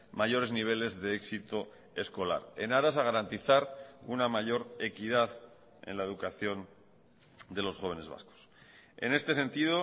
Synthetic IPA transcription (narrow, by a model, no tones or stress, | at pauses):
maʝo̞ɾe̞zniβ̞e̞le̞zðe̞eksit̪o̞ | e̞sko̞la̰ɾe̞̰naɾasaɣaɾant̪iθaɾunamaʝo̞ɾe̞kið̞að | e̞̰nlaeðukaθjo̞n | d̪e̞lo̞sxo̞β̞e̞ne̞zβa̰sko̥s | e̞̰ne̞st̪e̞se̞nt̪iðo̞